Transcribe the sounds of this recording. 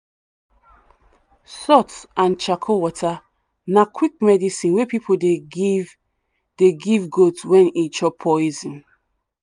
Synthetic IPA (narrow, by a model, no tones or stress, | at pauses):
sɔtsãnt͡ʃakʰowɔtʰa | nakʰwik̚mɛdisĩnwepipʰode | d̥eɡivɡodswɛ̃nit͡ʃɔpʰːɔizĩn